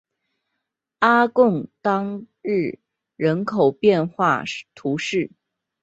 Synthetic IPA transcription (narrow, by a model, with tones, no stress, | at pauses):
a˥kʊ˥˩ŋt̪ɑ˥ŋ | ɻɻ̩˥˩ | ɻə˧˥nkʰo˨˩ʊpjɛ˥˧nxwa˥˩t̪ʰu˧˥ʂɻ̩˥˩